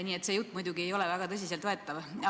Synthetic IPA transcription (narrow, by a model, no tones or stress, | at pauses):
niːet̪sejut̪ːmujd̪uɡ̥iejo̞lɛvæɡ̥ɑt̪ɤ̞s̬ʲiselt̪e̞t̪ːɑvɑ